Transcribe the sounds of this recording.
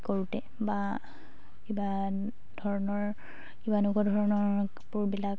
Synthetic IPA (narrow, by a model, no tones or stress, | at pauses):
koɹutɛ | ba | kiba | dʱɔɹɔnɔɹ | kibanuɡɔdʱɔɹɔnɔɹ | puɹbilak